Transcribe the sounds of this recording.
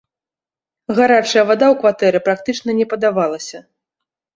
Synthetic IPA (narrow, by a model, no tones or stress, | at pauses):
ɣaɾat͡ʂɐjɐvad̪awkvat̪ɛɾɨpɾak̚t̪ɨt͡ʂnɐnʲɛpɐd̪avalˠɐsʲɐ